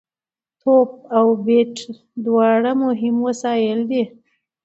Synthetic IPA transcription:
t̪ʰop̚awbeʈ | d̪wɑɽamʊɦɪmwəsɑjəld̪e

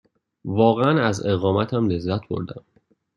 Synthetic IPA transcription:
vɒːɣeænæze̞ɣɒːmæt̪ʰæmle̞zːæt̪̚ʰbo̞̰ɾd̪æm

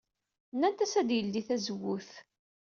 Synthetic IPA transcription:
nːænt̪æsæd̪jəlːiθæzəwuθ

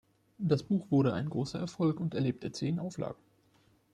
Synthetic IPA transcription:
d̥asb̥uːxv̥ʊɐɾəʔa̰ɪnɡʁoːsɐʔɛɐfɔlkʊntɛɐleːp̚tʰət͡seːnʔaʊfla̰ːɡŋ̩

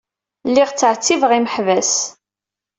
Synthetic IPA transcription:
lːiʁt͡sːəʕt͡sːivʁiməħvæs

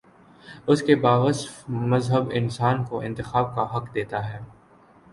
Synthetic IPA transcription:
ʊskebaːʋəsmɐzɦəbɪ̰nsaːnkoʔɪ̃nt̪ɪxaːb̚kaɦɐkd̪eːt̪aɦɛː

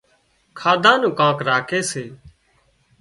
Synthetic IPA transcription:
kʰaːd̪ʱãːnũːkãːkɾaːkʰeːseː

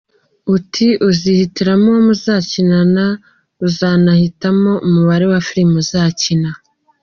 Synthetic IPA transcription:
utʰiʔuzihitiɾamomuzaːcinana | uzaːnahitamo̞ʔumuβaɾewafiɾimuzaːcina

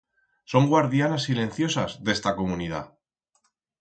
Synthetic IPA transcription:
so̞ŋɡwaɾðjanasːilẽ̞nθjo̞sazðe̞st̪ako̞muniða̰

